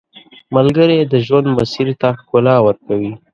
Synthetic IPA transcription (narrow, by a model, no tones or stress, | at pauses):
malɡəɾed̪əʒwand̪masiɾt̪axkʊlɑwəɾkawi